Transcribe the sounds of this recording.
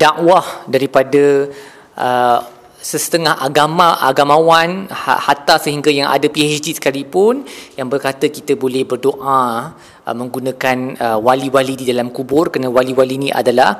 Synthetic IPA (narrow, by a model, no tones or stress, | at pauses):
d̥aʔwahdaɾipada | ʔə | səsə̥t̪əŋahaɡamaʔaɡamawan̰hat̪asəɦiŋɡajaŋa̰dapiɛt͡ʃdisə̥kalipʊnjaŋbərkat̪əkit̪əbolɛhbərdoʔa | ʔə̰mə̃ŋɡunãkanəwaliwalididalamkubʊrkanawaliwalinĩʔa̰dalah